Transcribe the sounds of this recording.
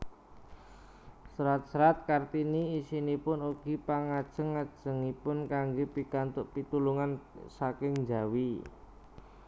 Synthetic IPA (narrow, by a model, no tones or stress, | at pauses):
sɾat̪̚sɾat̪̚kart̪iniːsinipʊnuɡ̥i̤paŋad̥ʒ̥ə̤ŋːad̥ʒ̥ə̤ŋipʊnkaŋɡopikant̪ʊʔpit̪uluŋansakɪŋd͡ʒawi